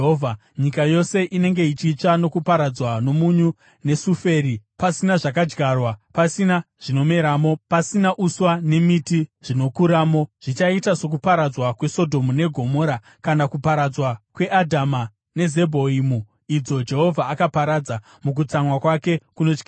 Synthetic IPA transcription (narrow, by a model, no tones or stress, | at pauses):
ɦoːvʱa | ɲikajo̞se̞ʔine̞ŋɡe̞it͡ʃiːt͡ʂano̞kupaɾad͡zwano̞muɲu | ne̞sufe̞ːɾipasinaʐak̬ad͡ʒɡarwapasinaʐ̥ino̞me̞ɾaːmo̞pasinaʔuswane̞mitiʐ̥ino̞kuɾaːmo̞ʐ̥it͡ʃaitaso̞k̬upaɾad͡zwakwe̞so̞dʱo̞mune̞ɡʱo̞mo̞ːɾa | kanakupaɾad͡zwakwe̞ʔadʱama | ne̞ze̞bʱo̞imu | id͡zo̞d͡ʒe̞ɦo̞vʱaːkapaɾad͡za | muk̬ut͡samwakwake̞kuno̞t͡ʃkiː